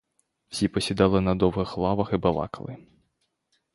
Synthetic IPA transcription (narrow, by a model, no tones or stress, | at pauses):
wsʲipɔsʲid̪ɑlˠɪnɐd̪ɔwɦɪxlˠɑʋɐxibɐlˠɑ̰kɐlˠɪ